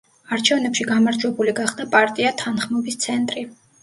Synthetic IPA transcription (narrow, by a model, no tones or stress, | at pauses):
aɾt͡ʃʰɛvnɛpʃiɡamaɾd͡ʒwɛbuliɡaχd̪apʼaɾt̪ʼiat̪ʰanχmɔbist̪sʰɛnt̪ʼɾi